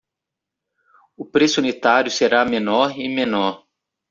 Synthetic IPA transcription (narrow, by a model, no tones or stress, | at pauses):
ʊpɾesunit̪aɾjʊseɾamenɔɾimenɔɾ